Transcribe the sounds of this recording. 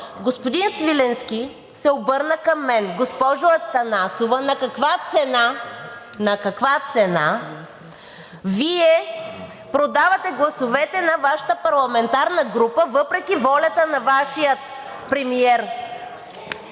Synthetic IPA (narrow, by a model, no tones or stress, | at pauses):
ɡospod̪insvilɛnskʲi | sɛobɤɾnəkɐmːɛnɡospɔʒʊɐt̪ɐnasovɐnɐkɐkvat̪sɛna | nɐkɐkvat̪sɛna | viɛ | pɾod̪avɐt̪ɛɡlˠɐsovɛt̪ɛnɐvaʃə̥t̪əpɐɾlˠɐmɛnt̪aɾnəɡɾupəvɤpɾɛk̟ivɔlʲɐt̪ənɐvaʃijət̪ | pɾɛmiɛɾ